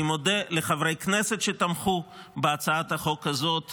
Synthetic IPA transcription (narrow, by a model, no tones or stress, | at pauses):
imod̪eleχavʁejknese̞t̪ʃet̪amχubeat͡saat̪aχo̞kazo̞t̪